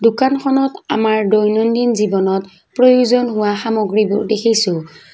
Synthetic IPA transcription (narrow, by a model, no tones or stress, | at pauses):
dʊkankʰɔnɔta̰maɹdojnɔndinzibɔnɔt | pɹojuzɔnɦʊwaxamoɡɹibʊɹdekʰisʊ̃